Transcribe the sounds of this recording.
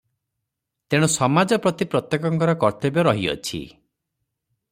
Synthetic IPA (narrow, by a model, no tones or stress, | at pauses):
t̪eɽ̃ɔsɔmad͡ʒɔpɾɔt̪ipɾɔt̪jekɔŋkɔɾɔkɔɾt̪ɔbjɔɾɔɦiɔ̰t͡ʃʰḭ